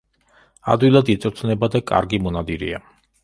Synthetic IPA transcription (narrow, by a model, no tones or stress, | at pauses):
a̰d̪wilˠad̪it̪sʼɾt̪ʰnɛbad̪akʼa̰ɾɡimɔnad̪iɾia